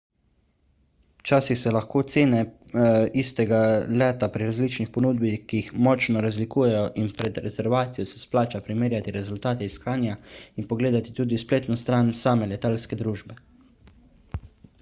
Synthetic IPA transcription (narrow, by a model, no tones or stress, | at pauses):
t͡ʃaːsixsɛlaxkoːt̪seːnɛ | ist̪ɛɡalɛːt̪apɾiɾazliːt͡ʃnixpɔnuːd̪bixkiixmɔt͡ʃnɔɾazlikuːjɛjɔʔinpɾɛd̪ɾɛzɛɾʋaːt̪sijɔsɛ̥splaːt͡ʃapɾimeːɾjat̪iɾɛzʊlt̪aːt̪ɛiskaːnjainpɔɡleːd̪at̪i̥t̪uːd̪ispleːt̪nɔst̪ɾaːnsaːmɛlɛt̪aːlskɛd̪ɾuːʒbɛ